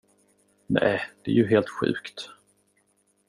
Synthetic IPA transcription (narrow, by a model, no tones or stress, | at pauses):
nɛːd̪̥ɛæjɵɦeːlt̪ɧʉ̟̰ːkt̪